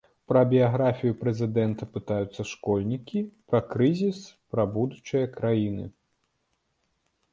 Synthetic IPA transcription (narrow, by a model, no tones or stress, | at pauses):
pɾɐbʲijaɣɾafʲijupɾɛzʲɨd̪ɛnt̪ɐpɨt̪ajut̪sːɐʂkɔlʲnʲikʲipɾɐkɾɨzʲispɾɐbud̪ut͡ʂɨjɐkɾajinɨ̰